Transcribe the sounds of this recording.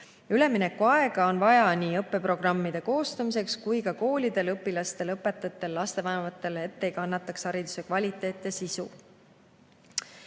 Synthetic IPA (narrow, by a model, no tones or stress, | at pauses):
yle̞mine̞kːuɑe̞ɡ̥ɑo̞nvɑjɑniːɤpːˑe̞pro̞ɡ̥rɑmːid̪̥e̞ko̞ːst̪ɑmise̞kskujkɑko̞ːlʲid̪̥e̞lɤpːˑilɑst̪e̞lɤpːˑe̞t̪ːˑɑt̪ːˑe̞lːɑst̪e̞vɑnevɑt̪ːˑe̞le̞t̪ːe̞jkɑnːɑt̪ːˑɑksɑɾid̪̥u̥se̞kvɑlʲit̪ːˑe̞ːt̪ːˑɑsisṵ